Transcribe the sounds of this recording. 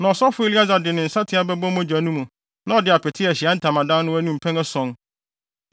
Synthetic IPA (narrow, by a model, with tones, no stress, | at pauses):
nã˨ɔ˨sɔ˦fʊ˦e˦li˦a˦za˨dɪ˨nɪ̃˨n̩˨sa˦tʰɪ˦a˦bɛ˦bɔ̃˦mã˦d͡ʑᶣa˨nũ˦mũ˨ | nã˦ɔ˨dɪ˨a˨pʰɛ˨tʰɪ˦ɛ˨ɕɪ˨a˦n̩˦tʰã˨mã˨dã˦n˦nʊ̃˦æ˦nũ˦m̩˨pʰɛ̃˦ŋɛ˦sɔ̃˨˦n